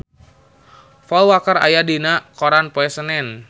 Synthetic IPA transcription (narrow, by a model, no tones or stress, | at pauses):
fɔlwakəɾa̰jadinakoɾanpoɛsənɛn